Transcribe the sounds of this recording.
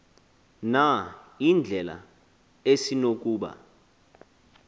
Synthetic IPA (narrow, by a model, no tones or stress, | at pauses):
naind͡ɮʱɛla̰ | esinok̬uːɓa̰